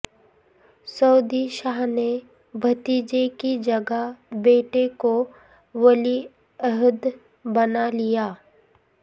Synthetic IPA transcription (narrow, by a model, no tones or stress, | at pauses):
sɐːd̪iʃaːɦne | bʱɐt̪iːd͡ʒekid͡ʒɐɡəbeːʈeko | ʋɐli | əɦʊd̪ | bɐnalijaː